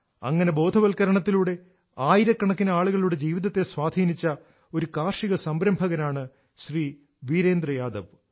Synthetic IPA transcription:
ɐ̰ŋːɐne̞bo̞ːd̪ʱɐʋɐlkɐɾɐɳɐt̪ːiluːɽe̞ | aːjiɾɐkːɐɳɐkːinɐaːɭuɣɐɭiuɽed͡ʑiːʋiðɐt̪ːe̞sʋaːd̪ʱiːnit͡ɕːɐ | o̞ɾukaːrʂiɣɐsɐmbɾɐmbʱɐɣɐnaːɳɨ | ɕriː | ʋiːɾe̞ːnd̪rɐjaːd̪ɐʋ

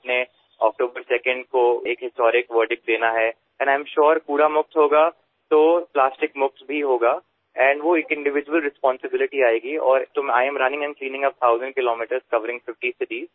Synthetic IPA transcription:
ne | ɔːk̚ʈoːbəɾsɛkə̃ɳɖkoeːkɦɪsʈɔːɾɪkʋəɾɖɪk̚d̪eːnaɦɛ | ɛ̃nãɪ̃mʃɔːɾpuːɾamʊkt̪ɦoːɡa | t̪oːplaːsʈɪkmʊkt̪bʱiɦoːɡaː | ɛ̃ːɳɖʋoeːkɪ̃ɳɖɪʋɪd͡ʒʋəlɾɪspɔ̃ːnsɪbɪlɪʈiaːeːɡiɔːɾt̪oaːɪɛ̃mɾɐnɪ̃ŋɛ̃nkliːnɪ̃ŋɐp̚t̪ʰaʊzə̃ɳɖ̚kɪloːmiːʈəɾzkɐʋəɾɪ̃ŋɡfɪfʈised̪iː

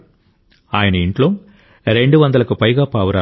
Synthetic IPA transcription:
aːjɐnɐiɳʈlom | ɾeɳɖɯʋɐnd̪ɐlɐkːɯpɐjɡaːpaːʋɐɾaː

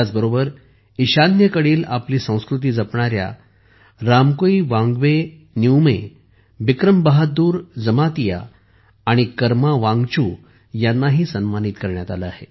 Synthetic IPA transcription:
at͡sbəɾobəɾ | iɕanjəkəɽiːlapliːsə̃w̃skɾut̪̬iːd͡zəpɳaɾja̰ | ɾamkoiʋãŋɡʋe | nuwme | ʋikɾəmbaɦauːɾd͡zəmat̪ija̰ː | ɽ̃ikəɾmaʋãŋɡt͡ɕuː | janːaɦiːsənmanit̪kəɾɳjat̪aləa̰ɦḛ

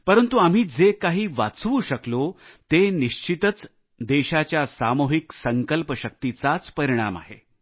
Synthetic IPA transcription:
pəɾənt̪uam̤iːd͡zekaɦiːʋa̰t͡sʋuːɕəklot̪eniɕt͡ɕit̪ət͡s | d̪eɕat͡ɕjasamoɦiksəŋkəlpəɕək̚t̪it͡sat͡spəɾiɽ̃a̰ma̰ɦḛ

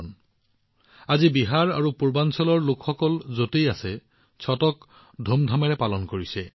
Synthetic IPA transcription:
n | azibiɦaɹa̰ɹupuɹbansɔlɔɹlokʰxɔkɔlzotejasɛ | t͡ɕʰɔtɔk | dʱomdʱamɛɹɛpalɔnkoɹisɛ

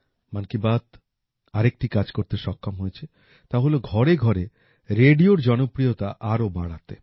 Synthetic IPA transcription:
mankibat̪ | aɾek̚ʈikad͡ʑkoɾt̪eʃɔkːamɦojet͡ɕʰe | t̪aɦoloɡʱɔɾeɡʱɔɾe | ɾeɖioɾd͡ʑɔnopɾijot̪aʔaɾobaɽat̪e

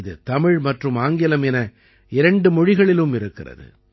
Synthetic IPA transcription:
ðɯ̰t̪ɐmɪɻmɐʈrɯmaːŋɡɪlɐmɛnɐ | ɪɾɐɳɖɯmɔɻɪɣɐɭɪlɯmɪɾɯkːɪrɐ̰ðɯ̰

